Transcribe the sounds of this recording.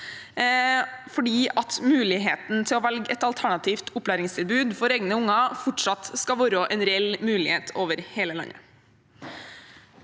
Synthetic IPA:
fɔɖiːʔɑt̪mʉːlɪɦeːt̪n̩t̪ʰɪlɔːʋɛlɡɛt̪ɑlt̪ʰæɳɑt̪ʰiːft̪ʰʊpːlæːɾɪŋst̪ɪlbʉːd̪fɔɾeːɡnəʊŋɑfɔʈʂɑt̪skɑʋoːɾəʔɛnɾɛɛlmʉːlɪheːt̪ʰoːʋəɾheːləlɑ̰ɲə̰

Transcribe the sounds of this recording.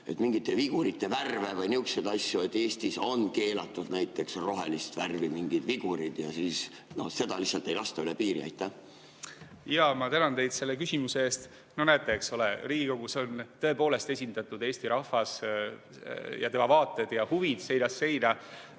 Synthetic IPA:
e̞̰t̪miŋɡ̥it̪ːˑeviɡ̥uɾit̪ːˑe̞værvevɤjniuksed̪ɑsʲjuet̪ːˑeːst̪iso̞nke̞ːlɑt̪ːˑud̪næjt̪ːˑe̞ksro̞ɦelist̪værvimiŋɡ̥id̪viɡ̥uɾid̪̥jɑ̰siːs | no̞̰se̞d̪̥ɑlihsːɑlt̪ːe̞jlɑst̪ɑylepiːɾḭɑ̰jt̪ːˑæh | jɑmɑt̪ænɑnt̪e̞jd̪̥se̞lːekysimuseeːst̪ | nonæjt̪ːˑeːkso̞leriːɡ̥iko̞ɡ̥uso̞nt̪ɤ̞epo̞ːle̞st̪e̞sʲind̪ɑt̪ːˑud̪e̞ːst̪iɾɑhfɑs | jɑ̰t̪emɑvɑːt̪ːˑed̪̥jɑhuvid̪̥se̞jd̪̥ɑsːe̞jd̪̥ɑ

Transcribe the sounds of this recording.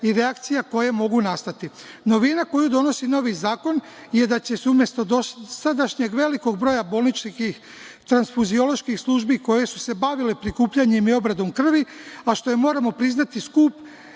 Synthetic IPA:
iɾeakt̪sijako̞je̞mo̞ɡunast̪at̪ino̞ʋinako̞jud̪o̞no̞sino̞ʋizaːko̞n | jed̪at͡ɕe̞sumje̞st̪od̪osad̪aʃɲeɡʋe̞liko̞ɡ̚bɾo̞jabo̞ːlˠnit͡ʃkix | t̪ɾansfuzio̞lo̞ʃkixslˠuʒbiko̞je̞su̥se̞baʋile̞pɾikuːpʎaɲemio̞bɾad̪o̞mkr̩ʋiaʃt̪o̞jemo̞ːɾamo̞pɾiznat̪iskuːp

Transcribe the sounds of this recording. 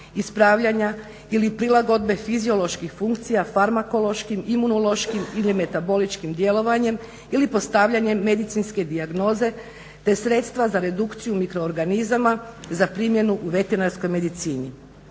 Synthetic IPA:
ispɾaːʋʎaɲa | ilipɾilˠaɡo̞d̪̚be̞fizio̞lˠo̞ʃkixfuŋk̚t̪sijafaɾmako̞lo̞ʃkimimunolo̞ʃkimilime̞t̪abo̞lit͡ʃkimd̪je̞lo̞ʋaɲe̞m | ilipo̞st̪aʋʎaɲe̞mːe̞d̪it̪sinske̞d̪iaɡno̞ːze̞ | t̪e̞sɾe̞ːt̪st̪ʋazaɾe̞d̪ukt̪sijumikɾo̞ːɾɡanizamazapɾimje̞nuʔuʋe̞t̪e̞ɾnaɾsko̞jme̞d̪it̪siːni

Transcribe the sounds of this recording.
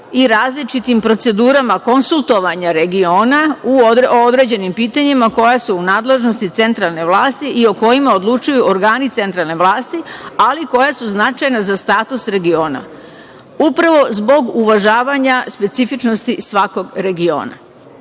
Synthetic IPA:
iɾaːzlit͡ʃit̪impɾo̞t̪se̞d̪uːɾamako̞nsulˠt̪o̞ʋaɲaɾe̞ɡio̞ːnauood̪ɾe̞ːd͡ʑe̞nimpiːt̪aɲimako̞jasuunaːd̪le̞ʒno̞st̪it̪e̞nt̪ɾalˠne̞ʋlˠaːst̪iʔio̞ko̞jimao̞d̪lˠut͡ʃujuʔoɾɡaːnit̪se̞nt̪ɾalˠne̞ʋlˠaːst̪ialiko̞jasuznat͡ʃajnazast̪aːt̪usɾe̞ɡio̞ːna̰ | upɾaʋo̞zbo̞ɡuʋaʒaːʋaɲaspe̞t̪sifit͡ʃno̞st̪isʋako̞ɡɾe̞ɡio̞̰ːna̰

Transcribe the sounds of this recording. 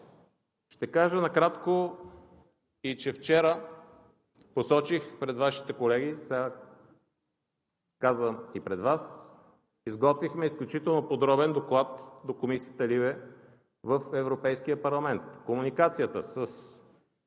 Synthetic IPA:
ʃt̪ɛkaʒənɐkɾat̪ko | it͡ʃɛft͡ʃɛɾə | posɔt͡ʃixpɾɛd̪vaʃi̥t̪ɛkolɛɡisa | kazvəmipɾɛd̪vas | izɡɔt̪vixmɛisklʲut͡ʃit̪ɛlˠnopod̪ɾɔbɛnd̪oklˠat̪d̪okomisiət̪əlivɛ | vəfɛvɾopɛjsk̟ijəpɐɾlˠɐmɛnt̪komunikat̪sijət̪əsəs

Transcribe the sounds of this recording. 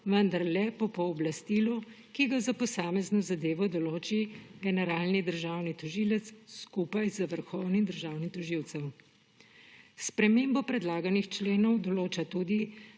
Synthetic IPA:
ʋənd̪aɾlɛpɔpɔːblast̪iːlu | kiɡazapɔsaːmɛznɔzad̪eːʋɔd̪ɔloːt͡ʃiɡɛnɛɾaːlnid̪əɾʒaːwnit̪ɔʒilət̪sskupajzaʋəɾxɔwnid̪əɾʒawnit̪ɔʒiwt̪sɛw | spɾɛmeːmbɔpɾɛd̪laːɡanixt͡ʃleːnɔwd̪ɔloːt͡ʃat̪ud̪i

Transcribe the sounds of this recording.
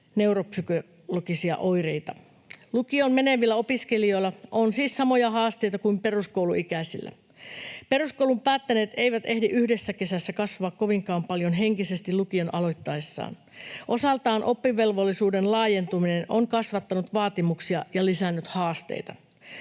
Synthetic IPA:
ne̞wropsyko | lokisiɑ̰ʔo̞jrejt̪ɑ | lukiommeneʋilːæo̞piskelio̞jlːɑʔonsiːssɑmo̞jɑɦɑːst̪e̞jt̪ɑkuimpe̞ruskouwluikæsḭlːæ̰ | pe̞ɾuskoulumpæːt̪ːæne̞ːt̪e̞ijʋæt̪e̞hdiʔyhdesːæke̞sæsːækɑsʋɑɑkko̞ʋiŋkɑːmpɑljo̞nɦe̞ŋkise̞st̪ilukio̞nʔɑlo̞jt̪ːɑesːɑ̰ːn | ʔo̞sɑlt̪ɑːnʔo̞pːiʋe̞lʋolːisuːde̞nlɑːje̞nt̪umine̞nʔoŋkɑsʋɑt̪ːɑnut̪ʋɑːt̪imuksiɑjɑlisænːyt̪hɑːst̪e̞̰jt̪ɑ

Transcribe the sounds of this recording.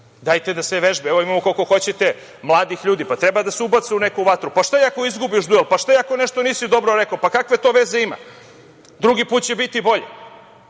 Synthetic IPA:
d̪ajt̪ed̪aseʋeʒbeeʋoimamokoko̞xo̞t͡ɕet̪e̞ | mlˠaːd̪ixʎuːd̪ipat̪ɾɛbad̪aseubat̪seunekuʋat̪ɾupaʃt̪ajako̞izɡubiʃd̪uelˠpaʃt̪aiakoneʃt̪o̞niːsid̪o̞bɾoɾekopakakʋe̞t̪o̞ːʋeze̞ima̰ | d̪ɾuɡipuːt̪̚t͡ɕebit̪ibo̞ʎḛ

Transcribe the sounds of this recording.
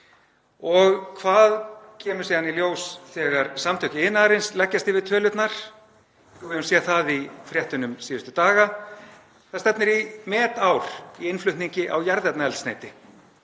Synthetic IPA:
ɔɣkʰvaːðcʰɛːmʏɾsiːðaniljoːwsθɛːɣaɾsamt̪ʰœhcɪɪðɪnaːɾɪnslɛcːast̪ɪvɪðt̪ʰœːlʏt̪naɾ̥ | ɪvɛðʏnsɛːθaðifɾjɛht̪ʏnʏmsiːðʏst̪ʏt̪aːɣa | θaðst̪ɛpnɪɾimɛːt̪awɾ̥iɪnflʏht̪niɲcɪʔa̰wjaɾðɛpt̪naɛlsnḛːjt̪ɪ

